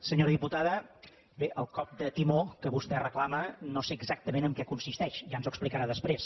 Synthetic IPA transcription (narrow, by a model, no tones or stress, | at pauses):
səɲoɾəðiput̪aðə | beʔəlˠkɔp̚d̪ət̪imokəβust̪ɛrəklamənoseːɡzak̚t̪əmenəŋkɛkunsist̪ɛʃʒanzuəksplikəɾaðəspɾes